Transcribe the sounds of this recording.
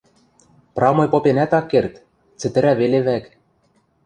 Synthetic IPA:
prɑmɤ̆jpopenæt̪ɑkːert̪ | t͡sɘ̆t̪ɘ̆ɾæβeleβæk

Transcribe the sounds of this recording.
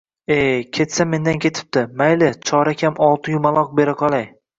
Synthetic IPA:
ekʲʰe̞t̪same̞nd̪ankʲʰe̞t̪ʰɪ̥p̚t̪ɪmajlɪt͡ʃʰɒɾakʲʰamɒlˠt̪ʰɪjʊmalˠɒq̚be̞ɾɪqʰɒlˠaj

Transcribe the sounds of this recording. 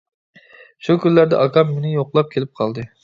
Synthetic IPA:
ʃukʲynlːæɾd̪ɛ̰ʔɑkʰɑmːenɪjoqlˠɑp̚kʲʰelɪp̚qʰɑlˠd̪ɨ

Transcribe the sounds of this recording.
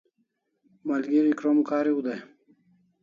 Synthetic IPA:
malɡiɾikɾomkaːɾiud̪aj

